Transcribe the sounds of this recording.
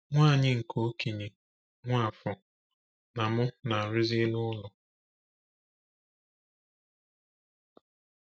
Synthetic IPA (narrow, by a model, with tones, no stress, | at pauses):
ŋʷaː˦˨ɲɪ˦ŋ̩˨kʰo˦ki˨ɲe˨ | ŋʷa˦˨fʊ˨ | na˨mʊ˦na˨ɾɪ˦zɪ˦nʊ˦lʊ˨